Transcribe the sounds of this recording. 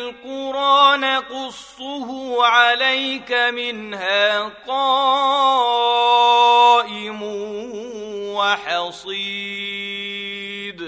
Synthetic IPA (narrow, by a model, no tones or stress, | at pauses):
lqʊɾʔaːnaqʊsˤːʊhʊʕalajkamɪnhaːqɑː | ʔɪmʊ | waħɑsˤi | d̪